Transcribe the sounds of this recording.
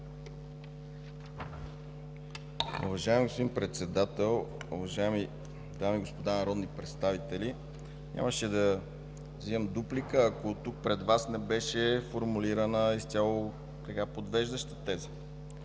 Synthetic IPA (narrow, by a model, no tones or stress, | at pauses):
ʊ̰vɐʒaɛmiɡospod̪imnpɾɛt̪sɛd̪at̪ɛlˠʊ̰vɐʒaɛmi | d̪amiɡospod̪anɐɾɔd̪nipɾɛt̪st̪avit̪ɛli | ɲʲʔa̰məʃɛd̪ɐ | vziɛmd̪uplikəːkot̪uk̚pɾɛd̪vasnɛbɛʃɛfoɾmuliɾənəist̪ʲalˠo | t̪ɐkapod̪vɛʒd̪əʃt̪ə̥t̪ɛzə̥